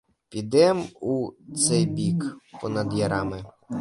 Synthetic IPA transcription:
pʲid̪ɛmut̪sɛjbʲikpɔnɐd̪jɐɾɑmɪ

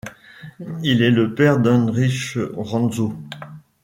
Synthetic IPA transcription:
ilɛləpɛʁd̪ɛ̃ʁiʃʁɑ̃zo

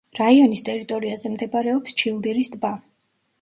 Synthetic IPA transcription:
ɾaiɔnist̪ʼɛɾit̪ʼɔɾiazɛmd̪ɛbaɾɛɔpst͡ʃʰilˠd̪iɾisd̪ba

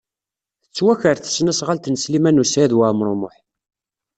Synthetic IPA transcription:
θət͡sːwæçəɾθə̥snæsʁalt̪nslimænusæðwæmɾˤomʊħ

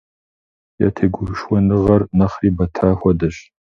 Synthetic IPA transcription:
ja̰tʰeːɡʷʊʃwɔnɨʁɐrnɐχriːbɐtʰaːxʷɔdɐɕ

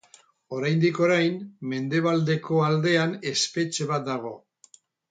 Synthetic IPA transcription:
o̞ɾajnd̪iko̞ɾajnme̞nd̪e̞β̞ald̪e̞ko̞ald̪e̞ane̞spe̞t͡ʃe̞βat̪̚d̪aɣ̞o̞

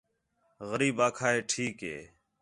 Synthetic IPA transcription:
ɣəɾiːbaːkʰaːɦeːʈʰiːkɦḛː

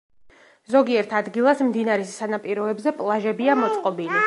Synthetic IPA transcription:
zɔɡiɛɾt̪ʰad̪ɡilˠasmd̪inaɾɛssanapʼiɾɔɛbzɛpʼlˠaʒɛbiamɔt̪sʼqʼɔbili

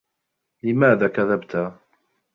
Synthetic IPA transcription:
limæðækæðæbt̪æ

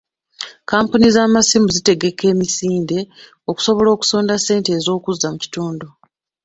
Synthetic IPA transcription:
kaːmpunizaːmasimuzite̞ɡe̞ke̞ːmisiːnde̞ | o̞ku̥so̞βo̞lo̞ːku̥so̞ːndasːe̞ːnte̞ːzo̞ːkuzamuci̥tuːndo

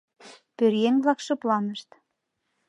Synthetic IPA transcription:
pøɾjeŋβlˠɑkʃɤ̆plˠɑnɤ̆ʃt̪

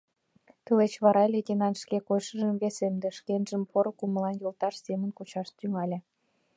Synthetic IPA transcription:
t̪əlet͡ɕβɑɾɑlʲeɡʲenɑnʃkekojʃə̆ʒə̆mvesemd̪ĕʃkenʒə̆mpoɾŏkumə̆lɑnjolˠt̪ɑʃsemə̆nkut͡ɕɑʃt̪yŋɑlʲĕ

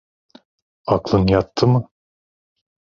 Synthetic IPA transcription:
aklˠɯnjat̪ʰːɯmɯ

